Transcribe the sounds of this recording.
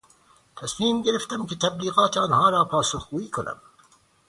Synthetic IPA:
t̪ʰæsmiːmɡeɾɪft̪æmkɪt̪ʰæbliːɣɑːt̪ʰɑːnhɑːɾɑːpʰɑːsuxɡuːiːkʰʊnæ̰m

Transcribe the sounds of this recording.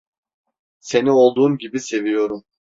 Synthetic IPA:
se̞nio̞lˠd̪uːmɟibise̞vijo̞ɾum

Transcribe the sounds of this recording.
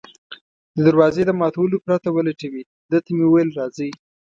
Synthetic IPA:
d̪əd̪əɾwɑzed̪əmɑt̪awəlopɾat̪awələʈawi | d̪ət̪amewəwejlɾɑzə

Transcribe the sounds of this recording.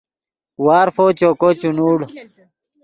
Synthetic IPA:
waːɾfoːt͡ɕokot͡ɕunuːɽ

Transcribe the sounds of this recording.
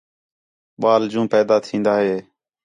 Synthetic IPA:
ɓaːld͡ʒũːpɛːd̪aːt̪ʰĩːnd̪aːɦeː

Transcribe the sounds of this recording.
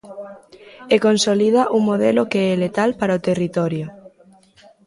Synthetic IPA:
ekonsoliðaʔuŋmoð̞ɛlokeɛlet̪alpaɾaot̪erit̪ɔɾjo

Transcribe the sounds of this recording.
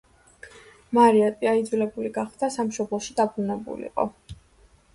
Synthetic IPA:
maɾiat̪ʼiaid̪zwilɛbuliɡaχd̪d̪asamʃɔblˠɔʃid̪abɾunɛbṵlḭqʼɔ̰

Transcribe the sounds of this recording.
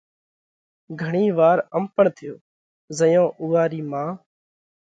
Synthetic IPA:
ɡʱəɳiːʋaːɾəmpəɳt̪ʰɪjoː | zəjõːʔʊːaːɾiːmãː

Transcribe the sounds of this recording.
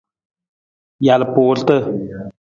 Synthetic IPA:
jalpoːlt̪ə

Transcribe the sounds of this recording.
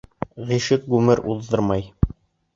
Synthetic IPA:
ʁiʃɘk̚ɡʉmɘɾuðːɤɾmɑj

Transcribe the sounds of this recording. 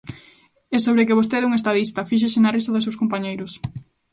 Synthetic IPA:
esoβɾɪkɪβ̞ost̪eðuŋest̪aðist̪ɐfiʃ̬esenarisɐðɪsewskompaɲejɾʊs

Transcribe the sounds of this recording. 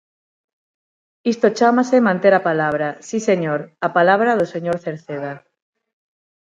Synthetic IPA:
ist̪ot͡ʃamasemãnt̪eɾapalaβ̞ɾasiseɲoɾapalaβɾaðoseɲoɾθeɾθeða

